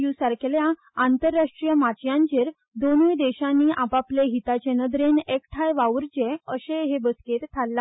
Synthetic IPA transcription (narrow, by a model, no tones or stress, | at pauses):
jusaɾkelja | ant̪əɾːaʂʈɾijəmat͡ɕjãɲt͡ɕeɾ | d̪onujd̪eɕãnːiːʔapapleɦit̪at͡ɕenəd̪ɾenekʈʰajʋaʋɾt͡ɕeəɕeɦebəsket̪t̪ʰːalːa